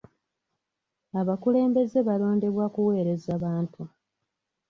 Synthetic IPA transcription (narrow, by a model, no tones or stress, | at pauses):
aβakule̞ːmbe̞ze̞βalo̞ːnde̞βwakuwe̞ːɾe̞zaβaːntʰu